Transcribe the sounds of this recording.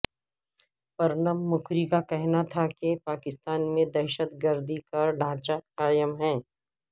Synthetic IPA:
pɐɾnəmːʊkʰɾikakɛɦnat̪ʰakepaːkɪst̪aːnmẽd̪ɛɾʃət̪ɡəɾd̪ʱikɐɾɖʱãːt͡ʃaqaːjəmɦɛ̃ː

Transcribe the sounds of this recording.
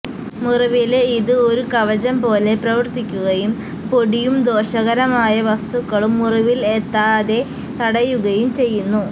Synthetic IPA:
muruʋileiðɨo̞ɾukɐʋɐd͡ʑɐmpo̞ːle̞prɐʋɐrt̪ikʲːuɣɐjum | po̞ɽijumd̪o̞ːɕɐɣɐɾɐmaːjɐʋɐst̪ukːɐɭumːuruʋilet̪ːaːðe̞ | t̪ɐɽɐjuɣɐjumt͡ɕe̞jːunːu

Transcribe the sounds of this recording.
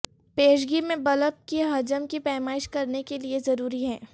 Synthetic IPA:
peːʃɡimẽbɐləp̚kiɦɐd͡ʒəmkipɛːmaːɪʃkɐɾnekeliezɐɾuːɾiɦɛ̃ː

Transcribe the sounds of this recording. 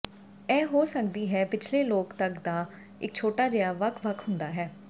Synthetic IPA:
ɛ̃ːɦoːsəkd̪iːɦɛːpɪt͡ʃʰleːloːkt̪əkd̪aː | ɪk̚t͡ʃʰoːʈaːd͡ʒəjaːʋəkʰʋəkʰɦʊnd̪aːɦɛː

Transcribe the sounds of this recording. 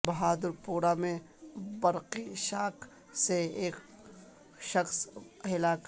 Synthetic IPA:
bɐɦaːd̪əɾpuːɾamẽ | bɐɾqiʃaːkʰ | seeːk | ʃɐxsɦɪlaːk

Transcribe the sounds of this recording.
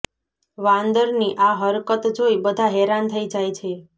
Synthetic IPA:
ʋãnd̪əɾniʔaɦəɾkət̪d͡ʒojbəd̪ʱaɦɛɾant̪ʰəid͡ʒajt͡ʃʰe

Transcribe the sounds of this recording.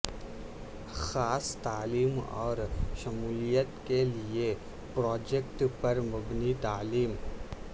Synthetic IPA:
xaːst̪aːliːmɔ̰ːɾʃɐmuːlijət̪kelie | pɾɔːd͡ʒekʈpɐɾmʊbnit̪aːliːm

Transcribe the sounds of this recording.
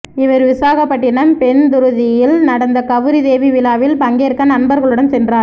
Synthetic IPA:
ɪʋɐɾʋɪsaːɣɐpːɐʈːɪɳɐmpɛnd̪ʊɾɯðɪjɪlnɐɽɐnd̪ɐkɐʋɯɾiðeːʋiʋɪlaːʋɪlpɐŋɡeːɾkːɐnɐnbɐɾɣɐɭɯɽɐmsɛndraːɾ

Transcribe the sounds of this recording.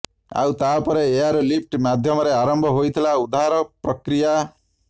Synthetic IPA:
a̰wt̪apɔɾeeaɾolip̚ʰʈmad̪ʱjɔmɔɾeaɾɔmbʱɔɦojt̪ʰilaud̪aɦaɾɔpɾɔkɾija

